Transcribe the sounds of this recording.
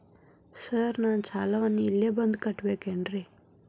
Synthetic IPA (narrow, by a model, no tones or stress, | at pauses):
səɾnaːnt͡ʃʰaːlɐʋɐnːiːlːebɐnd̪kɐʈːbeːkeːɳɖɾi